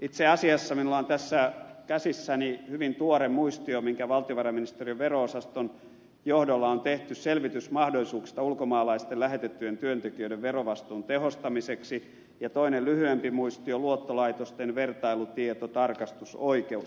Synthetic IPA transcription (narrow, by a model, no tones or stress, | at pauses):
it̪seɑsiɑsːɑminulːˑɑːnt̪æsːækæsisːænihyʋint̪uoɾemmuist̪iomiŋkæʋɑlt̪ioʋɑrɑminist̪eriøʋʋeroosɑst̪on | johdolːɑont̪eht̪ysselʋit̪ysmɑhdolisuːksi̥st̪ɑulkomɑːlɑist̪ellæɦet̪et̪ːyent̪yønt̪ekiøĭdeʋʋeroʋɑst̪uːnt̪ehost̪ɑmiseksi | jɑt̪oinellyhyempimuist̪ioluot̪ːolɑit̪ost̪enʋert̪ɑilut̪iet̪ot̪ɑrkɑst̪usoikeu